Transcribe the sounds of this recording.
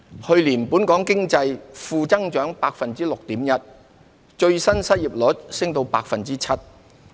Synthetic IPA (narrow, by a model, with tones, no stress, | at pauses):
hɵ˧ɥliː˨˩npuː˨˥nkɔː˨˥ŋkɪ˥ŋt͡sɐ˧jfuː˧t͡sɐ˥ŋt͡ʃœː˨˥ŋpaː˧k̚fɐ˨nt͡siː˥lʊ˨k̚t̪iː˨˥mjɐ˥t̚ | t͡ʃɵ˧ɥsɐ˥nsɐ˥t̚jiː˨p̚lɔː˨˥t̚sɪ˥ŋt̪o˧wpa̰ː˧k̚fɐ˨nt͡siː˥t͡sʰɐ˥t̚